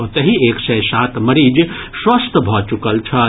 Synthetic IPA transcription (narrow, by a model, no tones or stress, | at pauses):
ot̪əɦieksəjsat̪ʰməɾid͡ʒ | swəst̪ʰəbʱɔt͡ʃukəlt͡ʃʰɐ